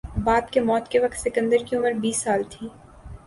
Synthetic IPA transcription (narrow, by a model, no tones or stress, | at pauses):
baːbkemɔːt̪keʋɐkt̪sɪkə̃nd̪əɾkiʊməɾbiːsːaːlt̪ʰiː